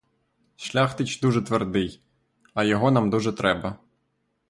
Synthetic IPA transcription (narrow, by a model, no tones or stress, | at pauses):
ʃlʲaxt̪ɪt͡ʃd̪uʒɛt̪ʋerd̪ɪj | ɐjɔɦɔnamd̪uʒɛt̪ɾɛbɐ